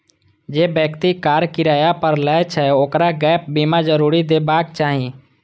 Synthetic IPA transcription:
d͡ʒeːbjəkt̪ikaːɾkɪɾaːjapəɾlɛt͡ʃʰɛoːkɾaɡɛːp̚bimad͡ʒəɾuːɾid̪eːbaːk̚t͡ʃaːɦĩ

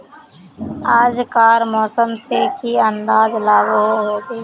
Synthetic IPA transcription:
aːd͡ʒkaːɾmɔːsəmsekiənd̪aːzlaːɡɦoɦoːɡeː

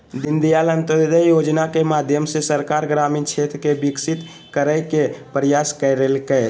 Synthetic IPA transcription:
d̪ind̪ijalənt̪əd̪d̪əjod͡ʒnakemad̪ʱjəmsesəɾkaɾɡɾamint͡ʃʰet̪ɾkebiksit̪ | kəɾəjkepɾəjaskəɪɾelkɛ

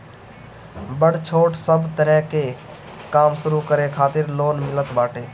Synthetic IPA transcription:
bəɽt͡ʃʰoːʈsəbt̪əɾɛɦke | kaːmsʊɾukəɾekʰaːt̪ɪɾloːnmɪlət̪baːʈeː

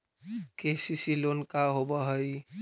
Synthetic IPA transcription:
kesisilonkaɦobəɦəj

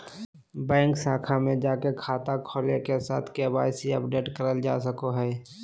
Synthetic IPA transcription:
bɛ̃ːŋksaːkʰamẽd͡ʒaːkekʰaːt̪akʰoːlekesaːt̪ʰkeba̰ːsiəpɖeːʈkəɾəld͡ʒa̰ːsəkoɦɛː

